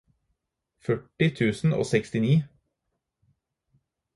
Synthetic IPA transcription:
fœʈɪt̪ʰʉːsn̩o̰ːsɛkst̪ɪniː

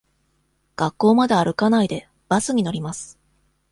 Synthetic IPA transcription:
ɡ̥akːo̞ːmad̪aːɾɯ̟kanaid̪e̞ | b̥asɨɲ̟ino̞ɾʲimasɨ̥

